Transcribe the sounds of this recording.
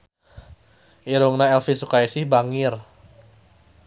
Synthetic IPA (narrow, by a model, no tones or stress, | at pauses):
ʔiɾuŋnaɛlfisukajsɪhbaŋɪr